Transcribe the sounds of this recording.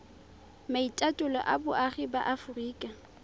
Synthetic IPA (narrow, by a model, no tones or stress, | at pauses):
maitʼatʼʊlɔ̰ʔa̰bʊʔaχiba̰ʔafʊriːkʼa